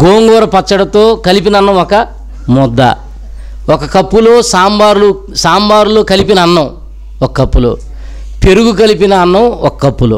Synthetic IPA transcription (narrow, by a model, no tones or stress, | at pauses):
ɡoːŋɡɔːɾɐpɐt͡ʃːɐɽɐt̪o̞ːkɐlip̬inɐɐnːɐwɔkɐ | mɔd̪ːɐ̰ | wɔkɐkɐpːuloːsaːmbaːɾlu | saːmbaːɾuloːkɐlipinɐːnːɐw | ɔkɐɐpːulo̰ː | peɾuɡuk̬ɐlipinɐːnːɐwɔkɐkːɐpːulo̰ː